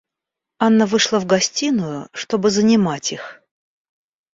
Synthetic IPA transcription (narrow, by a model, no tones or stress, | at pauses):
anːəvɨʂlˠəvɡɐsʲtʲinʊjʊʂt̪o̞bɨzənʲɪmatʲix